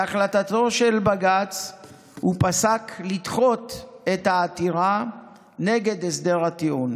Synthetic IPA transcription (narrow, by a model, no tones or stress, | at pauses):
aχlatat̪o̞ʃe̞lbaɡat͡s | hupasaklidχo̞t̪e̞t̪haːt̪iʁa | ne̞ɡe̞d̪esd̪e̞ʁat̪iun